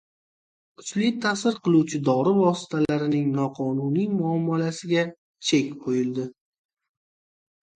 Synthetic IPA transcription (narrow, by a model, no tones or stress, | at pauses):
kʰʊt͡ʃlɪt̪ʰasɪɾqʰɨlˠuwt͡ʃʰɪd̪ɒɾɪvɒsɪ̥t̪ʰalaɾɪnɪŋnɒqʰɒnunijmʊɒmːalasɪɡʲa | t͡ʃʰe̞kʲqʰojɪld̪ɪ